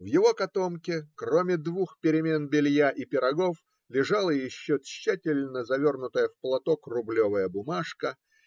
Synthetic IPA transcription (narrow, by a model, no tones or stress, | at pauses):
vjɪvo̞kɐt̪o̞mkʲɪkromʲɪd̪vuxpʲɪɾʲɪmʲe̞nbʲɪlʲjaʔipʲɪɾɐɡo̞f | lʲɪʐalˠəjɪɕːot̪ɕːætʲɪlʲnəzɐvʲo̞rnʊt̪əjəfplˠɐt̪okrʊblʲovəjəbʊmaʂkə